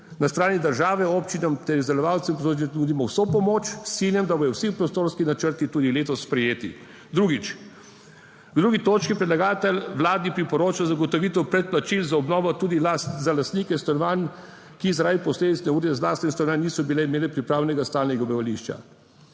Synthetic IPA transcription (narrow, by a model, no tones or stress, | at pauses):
nast̪ɾaːnid̪əɾʒaːʋɛɔpt͡ʃinamt̪ɛɾizd̪ɛlɔʋawt̪sɛmpɔsod͡ʒɛnuːd̪imɔwsopɔmoːt͡ʃsinjɛmd̪abɔjɔwsipɾɔst̪oːɾskinat͡ʃəɾt̪it̪uːd̪ileːt̪ɔsːpɾɛjeːt̪ḭ | d̪ɾuːɡit͡ʃ | ɡd̪ɾuːɡit̪oːt͡ʃkipɾɛd̪laɡaːt̪ɛlʋlaːd̪nipɾipɔɾoːt͡ʃazaɡɔt̪ɔʋiːt̪ɛwpɾɛt̪̚plat͡ʃilzaɔbnɔːʋɔt̪uːd̪iaszalast̪niːkɛnst̪anɔʋan | kizaɾaːʋipɔsleːd̪it̪snɛuːɾjɛzlaːst̪nɛnst̪anʋannːiːsɔbilɛimeːlɛpɾipɾaːwnɛɡast̪aːlnɛɡabiʋaliʃt͡ʃa̰